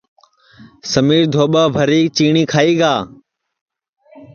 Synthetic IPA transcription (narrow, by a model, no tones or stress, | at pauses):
səmiːɾd̪ʱoːɓaːbʱəɾiːt͡ʃiːɳiːkʰaːiːɡaː